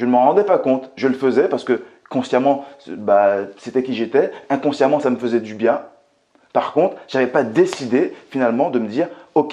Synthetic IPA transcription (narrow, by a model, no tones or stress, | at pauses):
ʒənəməʁɑ̃d̪ɛpakɔ̃t̪ʒələfəzɛpaʁsə̥kə | kɔ̃sjamɑ̃baset̪ɛkʲiʒet̪ɛɛ̃kɔ̃sjamɑ̃saməfəzɛd̪ybjɛ̃ | paʁkɔ̃t̪χʒ̥avɛpad̪esid̪efinalmɑ̃d̪əməd̪iːʁɔkʲ